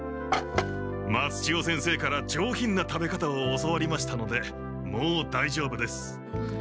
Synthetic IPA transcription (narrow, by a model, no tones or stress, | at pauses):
mat͡sɨ̥t͡ɕio̞sẽ̞ɰ̃se̞ːkaɾad͡ʑo̞ːçĩnːat̪abe̞kat̪aoːsoβaɾʲimaɕi̥t̪ano̞d̪e̞ | moːd̪aiʑo̞ːbɯ̟d̪e̞sɨ̥